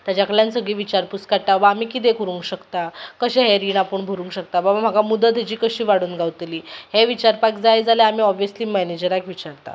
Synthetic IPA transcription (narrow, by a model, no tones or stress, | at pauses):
t̪ad͡ʑakəɭjansəɡɭiʋit͡ɕaɾpuskaʈ̪abaːmiːkit̪̬ekəɾũŋkɕəkt̪akəɕẽɦeɾiɳ̃apəɳbʱuɾũŋkɕək̚t̪ababam̤akamud̪ət̪ed͡ʑiːkəɕiːʋaɽuːnɡʱawt̪liːheʋit͡ɕaɾpakd͡zajd͡zaleamiːɔbjəsliːmɛned͡ʑəɾakʋit͡ɕaɾt̪a̰